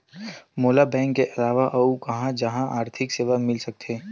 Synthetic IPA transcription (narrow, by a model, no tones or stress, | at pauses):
moːlabɛ̃ːŋkːeʔɐlaːʋaʔɐukɐɦãd͡ʒɐɦãʔaːɾt̪ʰɪkseːʋamɪlsɐk̚t̪ʰeː